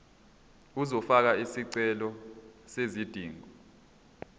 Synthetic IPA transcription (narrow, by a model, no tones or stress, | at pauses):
uzɔfak̬aisiǀɛlɔsezid̥ʱiːŋɔ